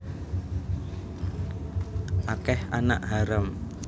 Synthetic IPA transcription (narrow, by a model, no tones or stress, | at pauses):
ʔakɛhana̰ʔɦaɾəm